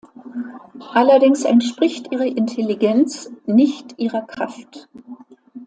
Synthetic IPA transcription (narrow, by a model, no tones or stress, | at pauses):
ʔalɐdɪŋsɛ̰ntʃpʁ̥ɪçtʔiːʁəʔɪntʰeliɡɛnt͡snɪçtʔiːʁɐkʁ̥aft